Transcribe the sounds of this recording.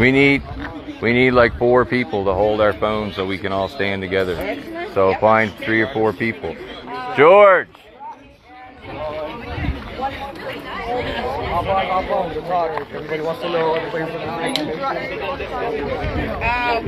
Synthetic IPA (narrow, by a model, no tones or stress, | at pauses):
winid̚ | winidˡlaɪkfɔɹpʰipl̩ˠtəɦoʊlˠdaʊə˞fõʊ̃nsoʊwikɨ̃ñɔlˠstæ̃ntɨɡɛðə˞soʊfãɪ̃nθɹiə˞fɔɹpʰipl̩̥ˠd͡ʒ̥ɔɹ̥d͡ʒ̥ | aafõʊ̃nzɨ̃nɹɑɾə˞kɨ̃nɛwʌ̃nstɨnoʊʌəpʰleɪfʌ̃məeɪɪ̃